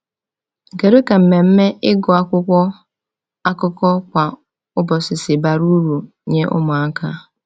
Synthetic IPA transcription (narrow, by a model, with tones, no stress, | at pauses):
ŋ̩˨ke˨ɾe˦ka˨m̩˨me˨m̩˦me˦ʔɪ˦ɡɔ˨a˦kʷʊ˦kʷɔ˦ | a˦kʊ˦kɔ˦kʷa˨ | ʊ˦bɔ˨sɪ˨sɪ˨ba˨ɾu˦ɾu˨ | ɲe˦ʔʊ̰˦mʊ˨a˦ka˦